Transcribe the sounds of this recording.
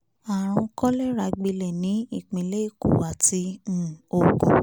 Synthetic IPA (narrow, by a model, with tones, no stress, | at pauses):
a˨ɾ̃ũ˧kɔ˦lɛ˦ɾa˧ɡ͡bi˧lɛ˨nĩ˨˦i˦˨k͡pĩ˧˨le˦i˦˨kṵ˨wa˨tĩ˧˦˨o˨ɡɔ̃˨